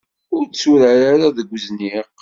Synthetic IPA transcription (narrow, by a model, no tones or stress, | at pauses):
ʊɾsuɾəɾaɾaðəɡʷːzniq